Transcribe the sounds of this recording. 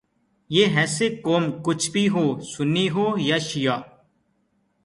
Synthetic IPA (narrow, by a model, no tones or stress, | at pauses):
jeːɦɛːseːkoːmkʊt͡ʃʰbʱiːɦoːsʊnːiːɦoːjaːʃɪjaː